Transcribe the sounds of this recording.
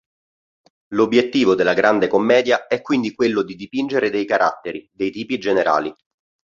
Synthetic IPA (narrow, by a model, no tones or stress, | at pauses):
lobːjet̪ːiːvod̪elːaɡɾand̪ekomːɛːd̪jaɛkːwind̪ikwelːod̪id̪ipind͡ʒeɾed̪ejkaɾʔa̰t̪ːeɾid̪ejt̪iːpid͡ʒeneɾʔa̰ːli